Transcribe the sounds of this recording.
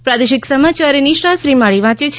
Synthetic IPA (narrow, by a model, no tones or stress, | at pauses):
pɾad̪eʃɪksəmat͡ʃaɾiniʃʈasɾimaɭiʋãt͡ʃet͡ʃʰ